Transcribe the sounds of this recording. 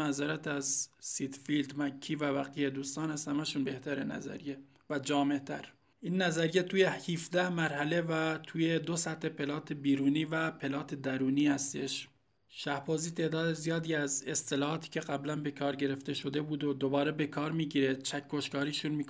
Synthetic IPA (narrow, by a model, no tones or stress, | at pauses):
æzɑɾæt̪ʰæzsit̪fild̪mækʰːiːvævæqiːjed̪uːst̪ɑːnæshæmæʃuːnbe̞ht̪ʰæɾenæ̰zæ̰ɾije | væd͡ʒɒːmeʔt̪ʰæɾ | ʔiːnːæzæɾijet̪ʰuːjehifd̪æhmæɾhæle̞væt̪ʰuːjed̪osæt̪he̞pʰe̞lɒːt̪ʰebiːɾuːniːvæpʰe̞lɒːt̪ʰed̪æɾuːniːhæst̪e̞̰ʃ | ʃæhbɒːziːt̪ʰe̞ːd̪ɒːd̪ezijɒːd̪iːæzest̪elɒːhɒːt̪ʰi̥ːcʲʰe̞ɢæblænbe̞kʰɒːɾɟe̞ɾe̞ft̪eʃod̪e̞buːd̪od̪obɒːɾebe̞kʰɒːɾmiːɟiːɾet͡ʃʰækʰːoʃkɒːɾiːʃuːnmik